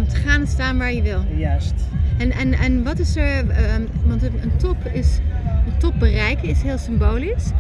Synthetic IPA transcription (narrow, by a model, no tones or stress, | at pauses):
ɔmtə̥χaːnəstaːnʋaːɹjəʋɪlˠstɛnɛnɛnʋɑtɪsəɹ | ʋɑntənəntɔp | ɪsəntɔp̚bərɛjkəɪsɦɪːlˠsɪmboːlis